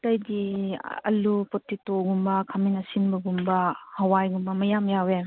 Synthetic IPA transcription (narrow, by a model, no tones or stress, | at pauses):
tɐjdiɐ̰lupɔtːitoɡumbɐkʰaminɐsinbɐɡumbɐhɐwajɡumbɐmɐjamjawe